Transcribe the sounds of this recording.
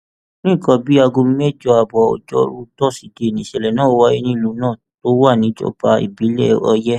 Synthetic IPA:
nĩ˦˨kɔ̃˧˦bi˨˦a˧ɡo˧m˦me˦˨d͡ʒɔ˦˧a˨bɔ˨ɔ̰˨d͡ʒɔ̰˦ɾu˦tɔ˦˨si˧˨de˨nĩ˨ʃɛ˨lɛ˨nãː˦˨o˧wa˦i˦nĩ˦lu˨˦nãː˦˨to˦wa˦˨nĩ˨˦d͡ʒɔ̰˦˨pa˧ḭ˨bi˨˦lɛ̰˦˨ɔ˧jɛ˦

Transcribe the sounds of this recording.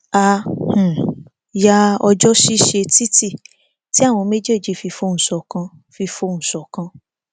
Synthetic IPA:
a˧˨h̩˨ | ja˦ɔ˧d͡ʒɔ˦ʃi˦ʃe˧ti˦ti˦˨ | ti˨˦a˦˨w̃ɔ̃˧me˦d͡ʒe˦˨d͡ʒi˧˦fi˧fo˧˦˧n̩˨sɔ˨kã˧ | fi˧fo˧ñ̩˨sɔ˨kã˧

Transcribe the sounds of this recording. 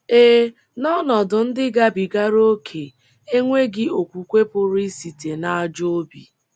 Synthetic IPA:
e˦ | nɔ˦nɔ˨dʊ˨n̩˦dɪ˦ɡa˦bi˨ɡa˦ɾo˦kʰe˨ | e˦ŋʷe˦ɡɪ˦o˨kʷu˨kʷe˦pʊ˨ɾi˦si˨te˨na˨a˨d͡ʒo˦bi˨

